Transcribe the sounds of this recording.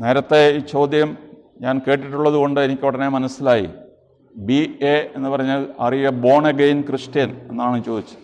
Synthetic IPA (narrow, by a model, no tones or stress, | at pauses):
ne̞ːɾɐt̪ːe̞iːt͡ɕo̞ːd̪jɐm | ɲaːnke̞ːʈ̬ːiʈːuɭːɐðuɣo̞ɳɖɨenikʲːpɐɽɐnemɐnɐsːilaːjḭ | biee̞nːɨpɐrɐɲːɐlɐrijɐbo̞ːɳeɡejnkriʂʈjɐne̞nːaːɳɨt͡ɕːoːd̪it͡ɕːu̥ɨ